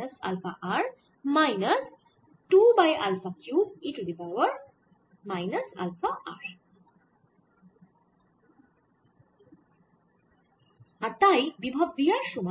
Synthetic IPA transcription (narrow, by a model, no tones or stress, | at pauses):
əsa̰lfaʔaɹ | majnəs | ʈubaja̰lfʰakjuiʈdivawəɹ | majnɐsa̰lfaa̰ɹ | at̪ajbibʱabdijaʃuma